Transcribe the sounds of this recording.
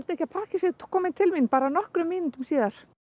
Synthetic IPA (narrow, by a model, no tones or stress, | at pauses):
lt̪ehçcapʰaːhcɪsikʰɔːmɪnt̪ʰɪlminpaːɾanɔhkɾʏmːiːnɪnt̪ʏmsiːðaɾ̥